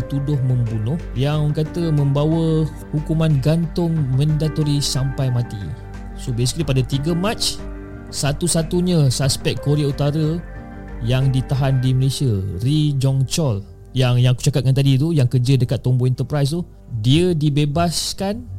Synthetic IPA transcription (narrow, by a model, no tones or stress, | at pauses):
t̪udʊhmə̃mbunʊhjaŋkat̪əmə̃mbawə | hukumãnɡant̪ʊŋmə̃ndat̪oɾisampajmãt̪ḭ | sobesi̥klipadat̪iɡəmat͡ʃ | sat̪usat̪uɲəsaspɛk̚koɾeaut̪aɾə | jaŋdit̪aɦandiməlesiarid͡ʒɔŋt͡ʃɔl | jaŋjaŋku̥t͡ʃakat̪̚kant̪adit̪̬ujaŋkərd͡ʒədəkat̪ːɔmboɛnt̪əpɾajs̬t̪u | diədibebaskan